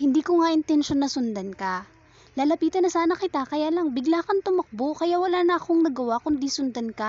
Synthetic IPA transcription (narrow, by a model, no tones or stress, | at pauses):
hɪnd̪iːkoŋaʔɪnt̪ɛnʃonːɐsʊnd̪ɐnkɐ | laːlɐpiːt̪ɐnɐsaːnɐkɪt̪akɐjaːlɐŋbɪɡlaːkɐnt̪ʊmɐk̚bokɐjawɐlaːnɐɐkoŋnɐɡɐwakʊnd̪isʊnd̪ɐnka